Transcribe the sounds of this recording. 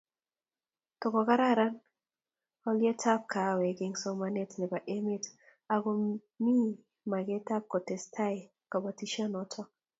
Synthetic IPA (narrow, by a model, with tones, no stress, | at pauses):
tʊ˨kɔ˨ka˦ɾa˦˨ɾa˦n | ɔ˦ljɛ˦tʰa˦p̚kʰa˨wɛ˨ɡɪ˦ŋsɔ˦ma˦ne˦tnɛ˨ba˨ʔe˦mɪ˦t | a˨ɡo˨ | mi˦ | ma˨ɡe˦ta˦p̚kɔ˨tɛ˨stʰa˦ɪ˨ | kɔ˨bɔ˨ti˦ʃɔ˦nɔ˦tʰɔ˦